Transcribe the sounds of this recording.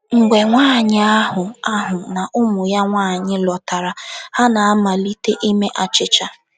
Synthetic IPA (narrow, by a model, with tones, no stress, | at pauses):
ŋ̩˨ɡ͡be˨ŋʷaː˦˨ɲɪ˦a˦ɦʊ˨a˦ɦʊ˨na˨ʔʊ˦mʊ˨ja˦ŋʷaː˦˨ɲɪ˦lɔ˨ta˨ɾa˨ha˦na˨a˦ma˨li˦te˦ʔi˦me˦ʔa˨t͡ʃɪ˦t͡ʃa˦